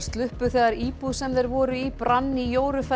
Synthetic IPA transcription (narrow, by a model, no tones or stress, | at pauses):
st̪lʏhpʏθɛːɣðaɾiːpuðsɛmðɛɾvɔːɾʏipɾanːijoːwɾʏfɛ